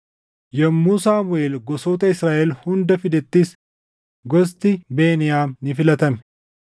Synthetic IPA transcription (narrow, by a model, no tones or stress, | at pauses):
jɛmːuːsaːmʊʔeːlɡɔsoːt̪ɐɪsɾaːʔɛlhʊnd̪ɐfɪd̪ɛt̪ːis | ɡɔs̬t̪ɪbeːnɪjaːmnɪfɪlɐt̪ɐmɛ̥